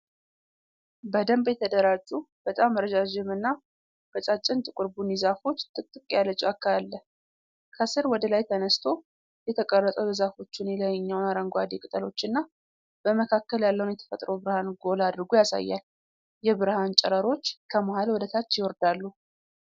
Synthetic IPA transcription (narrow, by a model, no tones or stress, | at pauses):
bəd̪əmbjɛt̪ʰəd̪əɾad͡ʒʼub̥ət̪ʼamːəɾəd͡ʒad͡ʒɪmɨnːa | b̥ət͡ʃʼat͡ʃʼːɪnt̪ʼɨkʼɨɾbunizafo̞t͡ʃːt̪ʼɨt̪ʼːɨkʼjalət͡ʃʼuakːaalːə | kʰəsɨɾwɔd̪əlajt̪ʰənəst̪ʰo̞ | jɛt̪ʰəkʼərːət̪ʼəwjzafo̞t͡ʃːɪnjɛləjɲːawnaɾəŋɡʷad̪ekʼɨt̪ʼəlo̞t͡ʃːɨnːa | b̥əməkʰakːəljalːəwunjɛt̪ʰə̥fət̪ʼɾəwbɨɾhanɡo̞lad̪ɾɨɡujasa̰jːa̰l | jɛβɨɾhant͡ʃʼɛɾəɾo̞t͡ʃːkʰəmahalwɔd̪ət̪ʰat͡ʃːjɪwɔɾd̪alːu